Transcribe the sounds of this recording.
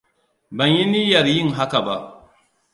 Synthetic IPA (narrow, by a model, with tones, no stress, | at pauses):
ba˨ɲji˦ni˦ja˨ɾji˦˨ŋɦa˦ka˨ba˦˨ʔ